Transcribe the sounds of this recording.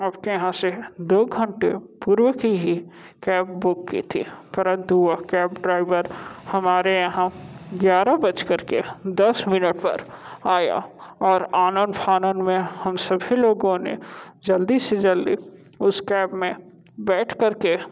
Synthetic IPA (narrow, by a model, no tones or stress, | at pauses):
ɐbkejɐɦãsed̪oːɡʱə̃ɳʈepuːɾwəkiɦi | kɛːpbʊkːḭt̪ʰḭpɐɾə̃nt̪uakɛːpɖɾaːɪʋəɾhɐmaːɾejɐɦãɡjaːɾabɐt͡ʃkɐɾked̪ɐsmɪnəʈpɐ̰ɾaːja̰ɔːɾaːnə̃npʰaːnənmẽhɐmsɐbʱiloːɡõnḛd͡ʒɐld̪ied͡ʒɐld̪i | ʊskɛːbmẽ | bɛːʈʰkɐɾke